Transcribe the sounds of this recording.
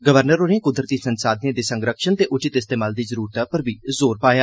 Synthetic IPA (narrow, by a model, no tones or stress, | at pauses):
ɡəʋəɾnəɾoːɾẽkʊd̪ɾət̪iːsənsaːd̪nẽːd̪iːsəŋɡɾəkʃənt̪eːʔʊt͡ʃɪt̪ɪst̪eːmaːld̪iːzəɾuːɾət̪apəɾbiːzoːɾpaːjaː